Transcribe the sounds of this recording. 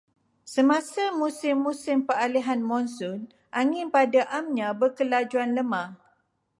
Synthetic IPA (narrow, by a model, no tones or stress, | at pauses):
səmãsamũsɪmːũsɪmpəaliɦanmɔ̃nsʊn | ʔaŋɪ̃npadaʔamɲãbəkəlad͡ʒuanləmãh